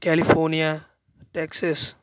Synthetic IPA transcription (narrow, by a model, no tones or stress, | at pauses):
kɛlifoːnia | ʈɛksəs